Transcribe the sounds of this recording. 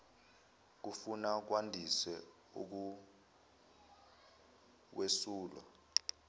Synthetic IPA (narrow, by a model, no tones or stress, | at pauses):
k̬ufunak̬wandʱisɛ | ṵk̬u | wesuːla̰